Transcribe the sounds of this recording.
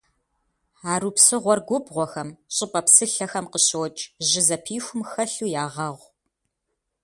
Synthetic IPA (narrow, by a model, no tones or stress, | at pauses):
aːɾuːpsɨʁʷɔrɡʷʊbʁʷɔxɐmɕʼɪpʼɐpsɨɬɐxɐmqəɕowt͡ʃʼʑɪzɐpʰiːxʷʊmxɐɬuːjaːʁɐʁʷ